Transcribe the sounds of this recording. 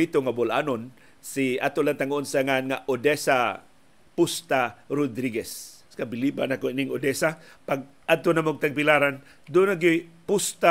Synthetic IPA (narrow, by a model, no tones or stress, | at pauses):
it̪oŋabʊla̰ːnon | siat̪olant̪aŋoʔonsaŋanŋaʔod̪ɛsa | pʊst̪aɾʊd̪ɾiɡɛs | kabɪlibanakoinɪŋod̪ɛsapaɡ̚ | ʔad̪̚t̪onamoɡ̚t̪aɡ̚pɪlaɾan | d̪ʊnaɡɪpʊst̪a